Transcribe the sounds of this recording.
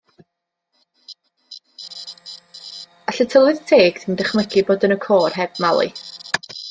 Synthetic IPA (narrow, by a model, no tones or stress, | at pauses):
aɬətʰəlˠɨðtʰeːɡ̥tindɛχməɡiboːdənəkʰoːrɦɛb̥malˠḭ